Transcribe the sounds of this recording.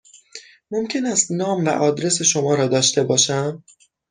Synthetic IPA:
mo̞mcʰe̞næst̪nɒːmvæ̰ʔɒːd̪ɾe̞se̞ʃo̞mɒːɾɒːd̪ɒːʃt̪e̞bɒːʃæm

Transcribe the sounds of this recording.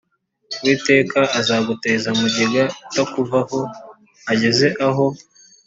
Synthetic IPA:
wiːte̞ːkaazaːɡute̞ːzamuɟeɡatakuvaho̞ | aɟe̞ze̞ʔaɦo̞

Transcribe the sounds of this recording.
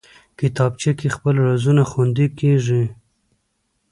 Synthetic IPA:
kɪt̪ɑb̚t͡ʃekexpəlɾazunaxand̪ikeʐi

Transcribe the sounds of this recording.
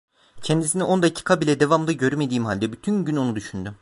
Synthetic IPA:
cʰɛnd̪isiniʔo̞nd̪acʰi̥kʰabilʲɛd̪e̞vamd̪aɟø̞ɾyme̞d̪iːmɦalʲd̪ɛbyt̪ʰynɟyno̞nud̪yʃynd̪y

